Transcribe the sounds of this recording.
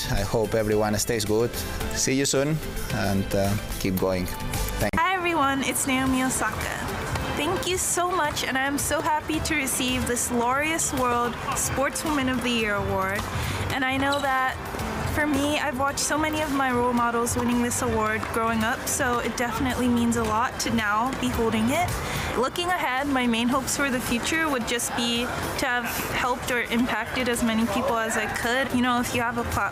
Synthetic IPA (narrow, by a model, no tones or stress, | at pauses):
aɪhoʊpɛvɹiwɑ̃nɨsteɪzɡud̥ | sijɨsũn | ə̃n | kʰip̚ɡ̥oʊɪ̃ŋ | θæ̃ŋɛvɹiwʌ̃nɨtsneɪoʊmilˠsɑkɨ̰ | θæ̃ŋkjɨsoʊmʌt͡ʃɨ̃ñãɪɨ̃msoʊɦæpiɾɨɹɨsivðɪslɔɹiɨswɜ˞lˠd̥spɔɹtswɪ̃mɨ̃nʌvðɨjɪɹəwɔɹɾʔɨ̃ñaɪnoʊðət̚ | fə˞miaɪvwɑt͡ʃtsoʊmɛniʌvmaɪɹoʊlˠmɑɾl̩ˠzwɪ̃ñɪ̃ŋðɪsəwɔɹd̚ɡɹoʊɪ̃ŋʌpsoʊɨt̚d̥ɛfənɨʔlimĩnzəlɔtʰɨnaʊbihoʊlˠɾɪ̃ŋɪt̚ | lʊkɪ̃ŋɨɦɛd̚maɪmẽɪ̃nɦoʊpsfə˞ðɨfjʉt͡ʃə˞wɨd̚d͡ʒʌsb̥i | ɾʰɨv̥ | hɛlˠp̚tə˞ʔɨ̃mpʰæk̚tɨɾɨzmɛñipʰipl̩ˠəzaɪkʰɨɾjɨñoʊɨfjɨːvəpʰɑ